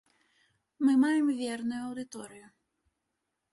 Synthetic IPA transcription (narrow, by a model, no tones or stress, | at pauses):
mɨmajɛmvʲɛrnʊjʊɐwd̪ɨt̪ɔɾɨjʊ